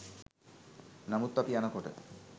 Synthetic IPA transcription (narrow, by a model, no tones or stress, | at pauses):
namut̪ːapianakoʈḛ